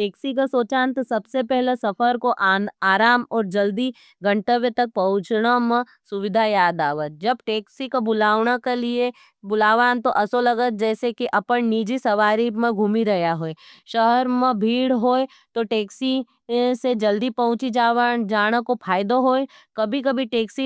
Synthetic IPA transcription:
ʈeːksik̬asoːt͡ʃãːnt̪sɐbsepɛɦlesɐfəɾkoʔaːɾaːmɔːɾd͡ʒɐld̪i | ɡɐ̃ɳʈeʋẽt̪ɐk̚pɐɦʊ̃t͡ʃnamẽ | sʊʋɪd̪ʱajaːd̪aːʋət̪̚d͡ʒɐbʈeːksikobʊlaːʋɽakelie | bʊlaːʋaːnt̪oʔɐsolɐɡət̪̚d͡ʒɛːsekiʔɐpəɳniːd͡ʒisɐʋaːɾimẽɡʱuːmiɾɐɦjaɦoːeʃɐɦəɾmẽbʱiːɽɦoːe | t̪oʈeːksi | sed͡ʒɐld̪ipɐɦʊ̃t͡ʃid͡ʒaːad͡ʒaːɽ̃əkopʰaːɪd̪oɦoːekɐbʱikɐbʱiʈeːksi

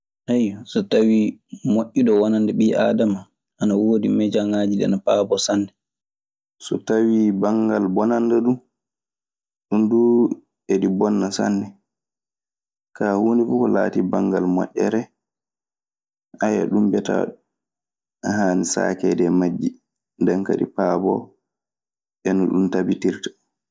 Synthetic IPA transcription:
ʔɛjɔsɔtawimoʔʲːiɗɔwanandɛɓiːʔaːdama | ʔanawoːdimɛd͡ʒaŋaːd͡ʒidɛanapaːbɔsanːdɛ | sɔtawibaŋɡalbɔnandaɗum | ɗundu | eɗibɔnːasa̰nːdɛ | kaːhoːndifukɔlaːtibaŋɡalmɔ̰ʔʲɛ̰ɾɛ | ʔaja̰ɗumbɛta̰ | haːnisa̰ːkɛdɛmad͡ʒːi | ndɛŋka̰ɗḭpaːbɔ̰ | ɓɛnɔɗuntabitiɾtḁ

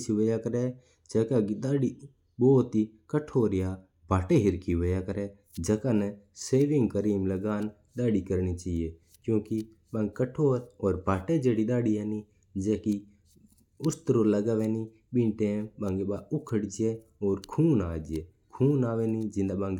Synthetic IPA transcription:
siʋoːjaːkəɾɛ | d͡ʒəkaɡiɗ̪aːɽi | ɓoːt̪ikəʈʰoːɾɪjaː | bʱaːʈeɦɪɾkiʋojaːkəɾɛ | d͡ʒəkaːnɛseːʋɪ̃ŋɡkəɾiːmləɡaːn | ɗ̪aːɽikəɾnit͡ʃaːieː | kjũːki | ɓãːŋɡkəʈʰoːɾɔːɾbʱaːʈed͡ʒeːɽiɗ̪aːɽieːni | d͡ʒeːki | ʊst̪ɾoləɡaːʋeːni | ɓĩʈẽɓãːŋɡeɓaːʊkʰəɽd͡ʒɪeː | ɔːɾkʰuːnaːd͡ʒɪeː | kʰuːnaːʋeːnid͡ʒɪ̃nd̪aɓãːŋɡ

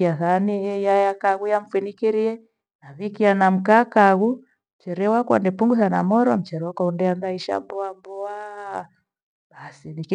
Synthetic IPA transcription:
aθanijajakaɣujam̩finikiɾiɛ | naβikianam̩kakaɣu | m̩t͡ʃɛɾɛwaka̰ndɛpuŋɡuθanamɔɾɔm̩t͡ʃɛɾɛwakwaundɛandaiʃa̰mbɔambɔa | basinik

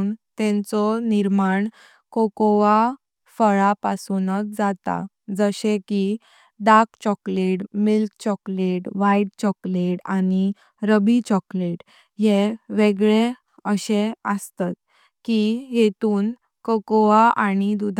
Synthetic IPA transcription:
nt̪ɛ̃nt͡sɔniɾmaɳ | kokɔʋa | fəɭapasunək̚d͡zat̪a̰ | d͡zəɕẽki | ɖakt͡ɕɔkleʈmilkt͡ɕɔkleʈʋaiʈt͡ɕɔkleʈani | ɾəbit͡ɕɔkleʈ | jeʋeɡɭe | əɕeəst̪at̪̚ | kiɦet̪uːn | kokɔʋaʔañid̪ud̪ʱ

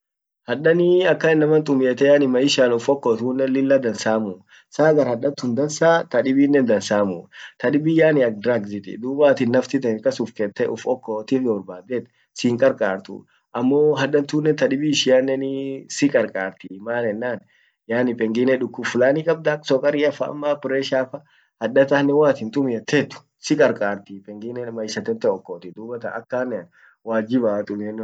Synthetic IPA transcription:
hɐᶑɐnɪɐkːɐɪnːɐmɐnt̪ʼʊmjeːt̪ɛjaːnɪmːɐɪʃaːnʊfɔkːoːt̪uːnːɛlɪlːɐd̪ɐnsaːmʊ | saːɡɐɾhɐᶑɐnt̪ːʊnd̪ɐnsaːt̪ɐᶑɪbiːnːɛnd̪ɐnsaːmʊ̰t̪ɐᶑɪbiːjaːnɪɐk̚d̪ɾaɡzɪt̪ɪ̰d̪uːbaːt̪ɪnːɐft̪ɪt̪ɛŋkʼɐsʊfkɛt̪ːɛʔʊfɔkːot̪ɪnɔɾbaːd̪ɛt̪ | siːŋkʼɐɾkʼaːɾt̪ʊ̰ | ɐmːoːɦɐd̪ɐnt̪uːnːɛnt̪ɐᶑɪbiːʃɪjanːɛnɪsɪkʼɐɾkʼaːɾt̪imaːnɛnːaːn | jaːnɪpɛŋɡɪnɛᶑʊkːʊfʊlaːnikʼɐb̚d̪aksɔkʼɐɾɪɐfɐ̰ɐ̰mːaːpɪɾɛʃaːfɐ | hɐd̪ɐt̪ɐnːɛwaːt̪ɪnt̪ʼʊmɪɐt̪ːɛt̪ːʊ̥ | sɪkʼɐɾkʼaːɾt̪ipɛŋɡɪnɛmɐɪʃɐt̪ːɛnt̪ːɛɔkːoːt̪ɪd̪uːbɐt̪ɐ̰ʔɐ̰kːaːnːɛn | waːd͡ʒɪbat̪ʼʊmɪɛnː

